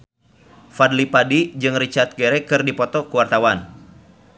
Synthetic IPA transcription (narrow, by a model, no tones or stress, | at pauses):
fadlipadid͡ʒɨŋrit͡ʃart̪̚ɡɛɾɛkɨrdipɔt̪ɔkuwart̪awan